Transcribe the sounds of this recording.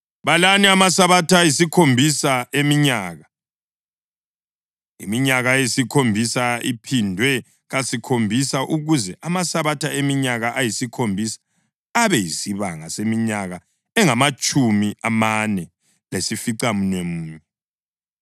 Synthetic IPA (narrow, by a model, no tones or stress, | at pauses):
βalaniamasaβatʰaajisikʰombʱisaemiɲaːɣa | ḭmiɲaɣajesikʰombʱisaipʰindʱwɛ | ɣasikʰombʱisaʔuɣuzɛʔamasaβatʰaemiɲaɣaʔajisikʰombʱisḁ | aβɛjisiβa̰ŋa̰semiɲaɣa | ɛŋamat͡ʃʼumiamanɛ | lesifiǀamunwemuːmɛ